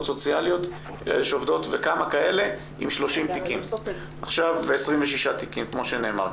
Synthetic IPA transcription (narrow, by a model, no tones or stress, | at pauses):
t̪so̞t͡sjaljo̞t̪ | ʃovdo̞t̪vekamakae̞le̞ | ʔḭmʃlo̞ʃimt̪ikim | aχʃavːeesʁimveʃiʃat̪ikimkmo̞ʃene̞̰ːma̰ʁ